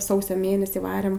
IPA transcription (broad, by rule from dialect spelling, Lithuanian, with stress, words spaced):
ˈsɐʊsʲoː ˈmʲeːnʲɛsʲiː ˈʋɑːrʲeːm